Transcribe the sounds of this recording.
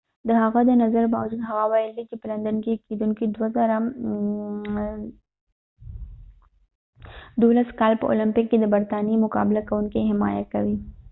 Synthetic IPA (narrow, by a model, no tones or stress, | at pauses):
d̪əɦaɣad̪ənazaɾbɑwd͡ʒud̪ɦaɣawajəld̪it͡ʃepəland̪ənkeked̪uŋkid̪wazaɾa | d̪olaskɑlpəʔo̰lɪmpɪkːed̪əbaɾt̪ɑnimʊkɑ̰bɪlakawuŋkiɦɪmɑ̰ja̰kawi